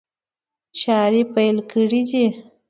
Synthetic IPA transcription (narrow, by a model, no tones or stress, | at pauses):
t͡ʃɑɾipajlkəɽid̪i